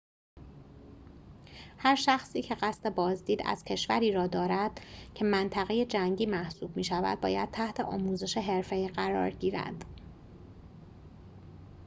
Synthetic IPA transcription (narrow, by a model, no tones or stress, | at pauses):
hæɾʃæxsiːcʰe̞ɢæst̪e̞bɒːzd̪iːd̪æ̰z̥cʰe̞ʃvæɾiːɾɒːd̪ɒːɾæd̪̥cʰe̞mænt̪ʰæɣeje̞d͡ʒæŋɟiːmæhsuːb̚miːʃævæ̰d̪̚bɒ̰ːjæd̪̥̚t̪ʰæht̪ʰe̞ʔɒ̰ːmuːze̞ʃeɦe̞ɾfe̞iːɢæɾɒ̰ːɾɟiːɾæ̰nd̪̥